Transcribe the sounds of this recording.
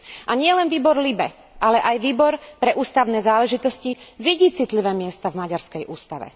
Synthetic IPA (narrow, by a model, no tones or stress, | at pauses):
ʔaɲɪɛlɛnʋiːbɔɾlibɛ | ʔalɛʔajʋiːbɔɾpɾɛʔuːst̪aʊnɛːzaːlɛʒit̪ɔsciʋiɟiːt͡sit̪liʋɛːmɪɛst̪avmaɟaɾskɛjʔuːst̪aʋɛ̰